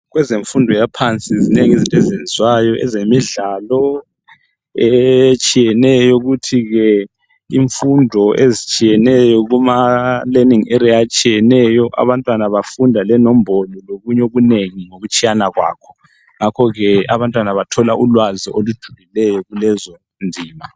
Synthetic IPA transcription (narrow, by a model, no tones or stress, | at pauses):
ɣwɛzeɱfundʱɔjapʰant͡sʼizineŋizintʼezenzwajɔʔɛ̰zemiɮaːlɔ | ɛt͡ʃʼijɛnɛjɔɣutʰiɣɛ | iɱfundʱɔʔezit͡ʃʼijɛnɛjɔɣumaleniŋɛɾiat͡ʃʼijɛnɛjɔʔa̰βantʼwanaβafundʱalɛnɔmbʱɔlɔloɣuɲoβuneŋiŋoɣut͡ʃʼijanaɣwa̰ːkʰɔ̥ | ŋakʰɔɣɛaβantʼwanaβatʰɔlaʔulwaziʔolud̥ʒ̥ʱulilɛjɔɣulɛzɔ | ndʱiːma